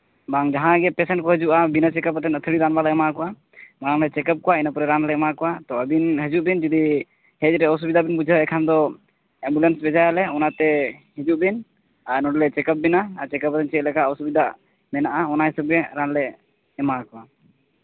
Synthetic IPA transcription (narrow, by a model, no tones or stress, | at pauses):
baŋd͡ʒaɦãɡɛpɛsɛnʈkɔɦəd͡ʒuʔabinət͡ʃɛkəpət̪ɛnət̪ʰəɽiɾanbalɛɛmakɔwa | maɾaŋlɛt͡ʃɛkəp̚kɔwainəpɔɾɛɾanlɛɛmakɔwat̪ɔəbinɦəd͡ʒuʔbind͡ʒud̪i | hɛt͡ʃɾɛɔs̬ubid̪ʱabinbud͡ʒʱəɛkʰand̪ɔ | ɛmbulɛnsbɛd͡ʒajalɛɔnat̪ɛhəd͡ʒuʔbin | anɔɖlɛt͡ʃɛkəp̚binaːt͡ʃɛkəpət̪ɛnt͡ʃɛʔ̪lɛkaʔɔsubid̪aʔ | mɛnaʔaɔnaɦisəb̚ɡɛɾanlɛː | makɔwa